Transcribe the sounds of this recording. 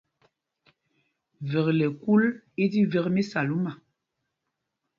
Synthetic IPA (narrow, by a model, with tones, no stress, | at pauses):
vɛ˨klɛ˨ku˦le˦di˦vɛ˦kme˦sa˨lu˦ma˨